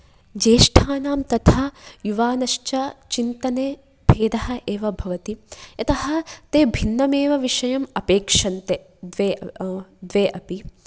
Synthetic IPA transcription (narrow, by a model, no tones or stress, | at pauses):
d͡ʒeːʂʈʰaːnaːmt̪ɐt̪ʰajuʋaːnɐʃt͡ʃɐt͡ʃint̪ɐneː | b̥ʱeːd̪ɐɦɐ̆ʔeːʋɐbʱɐʋɐt̪iɐt̪ɐɦɐ̆t̪eːbʱinːɐmeːʋɐʋiʂɐjɐmɐpeːkʂɐnt̪e | d̪ʋeːd̪ʋeːʔɐpi